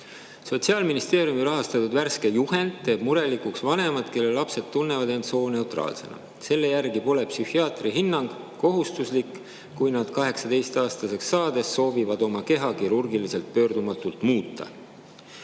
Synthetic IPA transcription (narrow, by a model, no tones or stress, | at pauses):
so̞t̪siɑːlminist̪e̞ːɾjumiɾɑɦɑst̪ɑt̪ud̪værske̞juhe̞nd̪̥̚t̪ːe̞ːb̥̚muɾe̞likuksvɑne̞mɑd̪̥ke̞lːe̞lːɑpse̞d̪̥t̪ːunːe̞vɑd̪e̞nt̪so̞ːne̞wt̪rɑ̰ːlse̞̰nɑ̰ | se̞lːe̞jærɡipo̞le̞psyhiɑːt̪riɦinːɑŋɡ̥ | ko̞ɦust̪uslikː | ujnɑd̪̥kɑɦe̞ksɑt̪e̞jst̪ɑːst̪ɑse̞ksɑːd̪̥e̞sːo̞ːvivɑd̪o̞mɑke̞ɦɑkiɾurɡilise̞lt̪̚pø̞ːrd̪umɑt̪ːˑult̪muːt̪ːˑɑ̰